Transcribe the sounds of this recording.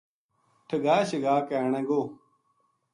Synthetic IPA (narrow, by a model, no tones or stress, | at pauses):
ʈʰəɡaːɕəɡaːkɛːɳɛ̃ːɡoː